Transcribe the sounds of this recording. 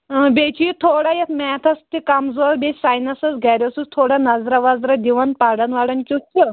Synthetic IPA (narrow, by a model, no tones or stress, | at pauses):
bʲet͡ʃʰit̪ʰoːɽajet̪ʰmɛːt̪ʰɐst̪ikɐmzoːɾbʲesʲsaːjnɐsɐsɡʱaɾʲosust̪ʰoːɽanɐzɾɐʋazɾɐd̪ʲiʋɐnpaɽɐnʋaɽɐnkʲut͡ʃʲi